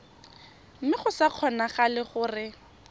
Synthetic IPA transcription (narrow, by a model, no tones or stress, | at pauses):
m̩mɪχʊsaq͡χʰɔnaχalɪχʊːrɪ